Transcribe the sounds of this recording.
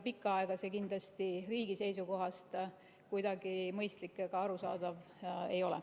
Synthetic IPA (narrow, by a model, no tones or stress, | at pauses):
pikːˑɑɑeɡ̥ɑsekind̪lɑst̪iriːɡ̥ise̞jsuko̞ɦɑst̪ | kujd̪̥ɑɡ̥imɤjst̪likːˑekɑɑɾusɑ̰ːd̪̥ɑv | e̞̰jo̞lɛ̰